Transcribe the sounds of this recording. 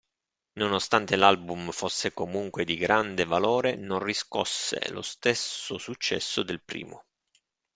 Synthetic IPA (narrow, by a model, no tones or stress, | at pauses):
nonost̪ant̪elalbumfosːekomuŋkwed̪iɡɾand̪evaloːɾenonrisko̰sːḛlo̰st̪esosut͡ʃːɛ̰sːod̪elpɾḭːmo